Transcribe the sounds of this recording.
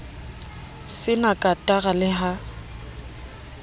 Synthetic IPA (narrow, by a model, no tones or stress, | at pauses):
sɪnakʼatʼaɣalɪɦa